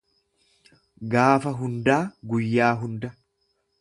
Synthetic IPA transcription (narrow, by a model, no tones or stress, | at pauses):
ɡaːfɐɦʊnd̪aːɡʊjːaːɦʊnd̪ɐ